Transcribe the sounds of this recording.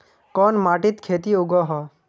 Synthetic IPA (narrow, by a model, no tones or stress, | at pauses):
kɔːnmaːʈit̪kʰeːt̪iʊɡɔɦɔː